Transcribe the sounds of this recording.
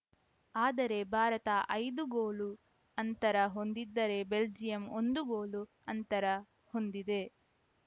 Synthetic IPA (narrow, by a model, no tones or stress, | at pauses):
aːd̪ɐɾe̞bʱaːɾɐt̪ɐʔɐjd̪uɡoːlu | ɐnt̪ɐɾɐɦo̞nd̪id̪ːɐɾe̞beld͡ʒijɐmond̪uɡo̞ːlu | ɐnt̪ɐɾɐ | ho̞nd̪id̪e̞